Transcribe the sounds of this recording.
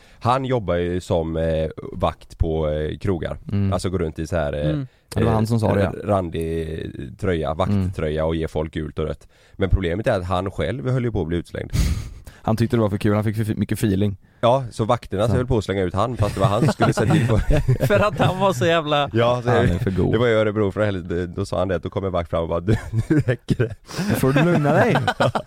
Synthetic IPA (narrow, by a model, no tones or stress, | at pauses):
hanjɔbːajɵsɔmva̰kt̪pʰɔkʰɾuːɡa̰ɾalsɔɡoːɾɵnt̪ɪsahæ̰ːɾ | dɛɛaɾhans̬ɔmsɑ̰ːd̪ɾand̪ɪ | t̪ʰɾœjːa̰vat̪t̪ʰɾœjːaɔjeːfɔlk̚ɡʉ̟ːlt̪ɔɾœ̰t̪ː | mɛnpʰɾʊbleːmət̪ɛɾat̪ɦanɧɛ̰lvhœlːjəpʰɔːbliːʉːt̪slɛ̰ŋd̪hant̪ʏk̚t̪əd̪ɛvaɾfœɾkʰʉ̟ːlhanfɪkːfœmʏkːəfiːlɪŋ | jɑːsɔvakt̪əɳasvɛlpʰɔslɛŋːaʉːt̪hanːfast̪d̪ɛvaɾɦanskɵlːəseːt̪ʰɪlfɾfœɾat̪hanvaʂɔjæːvlajɑːsɛfœɾɡṵːd̪ɛvajœːɾəbɾuːɾfɾɔɛld̪ɛd̪ɔsɑ̰ːhand̪ɛt̪d̪ɔkɔmjaɾvakt̪fɾamːɔbɑ̰ːɾad̪ʉɾɛkːəɖɛfoːɖɵlɵŋnad̪ɛj